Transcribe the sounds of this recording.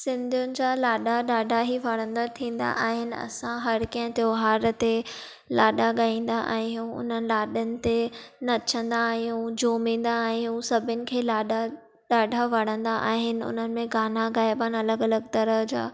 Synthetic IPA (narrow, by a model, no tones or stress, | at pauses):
sɪ̃nd̪ʱijʊnɪ̆d͡ʑaːlaːɗaɗaːɖʱaɦiʋɐɽ̃ə̃nd̪at̪ʰĩːn̆d̪a̰ʔaːɦɪnɪ̆ɐ̰sãɦɐɾkɐɦə̃t̪joːɦaːɾt̪e | laːɗaɠaːĩːn̆d̪aʔɛ̰̃ːɦũʊ̰n̤ənɪ̆laːɗənɪ̆t̪enɐt͡ɕʰə̃nd̪aːɦijũd͡ʑoːmĩːn̆d̪aɛ̃ːɦũsɐbʱɪnɪ̆kʰeːlaːɗa | ɗaːɖʱaʋɐɽ̃ə̃nd̪aʔa̰ːɦɪnɪ̆ʊ̰n̤ənɪ̆mẽɡaːnaɣaːɪbaːnɐləɡɐləɡt̪ɐɾəɦd͡ʑa̰ː